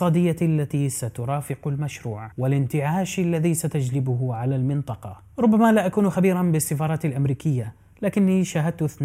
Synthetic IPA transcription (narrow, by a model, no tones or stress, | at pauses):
ɑːd̪ɪjːalːat̪isat̪ʊɾˤɑːfɪqʊlmaʃɾuːʕwɪlɪnt̪ɪʕaːʃalːaðisat̪ad͡ʒlɪbʊɦʕalalmɪnt̪ˤɑqɑ | ɾˤʊbːamalaʔakuːnxabiːɾanbɪsːɪfɑːɾˤɑːt̪alʔamɾiːkɪjːa | laːkɪnːiʃaːɦad̪̚t̪θn